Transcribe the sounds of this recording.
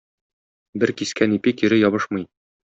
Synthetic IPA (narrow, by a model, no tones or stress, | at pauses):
bɘɾkiskænipikjɵ̆ɾɘjɒβɤʃmɤj